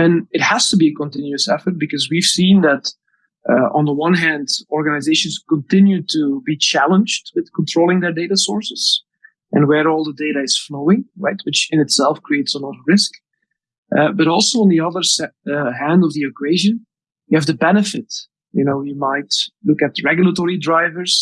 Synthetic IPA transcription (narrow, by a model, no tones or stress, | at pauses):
ɨ̃nɨt̚həz̥təbiɨkə̃ntɪ̃njʉɨsɛfə˞t̚b̥ɨkʌzwiv̥sĩnðɨɾ | ʔʔə̰̃nðəwʌ̃nɦæ̃ndɔɹɡɨnaɪzeɪʃɨ̃nskə̃ntɪ̃njʉtʰubit͡ʃʰælˠə̃nd͡ʒdwɨð̥kʰə̃ntʰɹ̥oʊlˠɪ̃ŋðə˞deɪɾəsɔɹsɨz̥ | ʔɨ̰̃nwə˞ɔlˠðədeɪɾɨɪz̥floʊɪ̃ŋɹa̰ɪt̚wɨt͡ʃɨ̃nɨtsɛlˠfkʰɹ̥ieɪtsəlɔɾəɹɪsk | ʔbʌɾɔlˠsoʊə̃nðiʌðə˞sɦæ̃ndʌvðiɨkʰweɪʒɨ̃n | jɨɨvðɨbɛnɨfɪt̚ | jɨnoʊjimaɪtlʊkɨt̚ɹɛɡjlˠətɔɹidɹaɪvə˞z̥